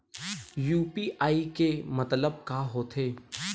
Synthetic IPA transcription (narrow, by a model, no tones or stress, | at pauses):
juːpiːʔaːikemɐt̪ləb̚kaːɦoːt̪ʰeː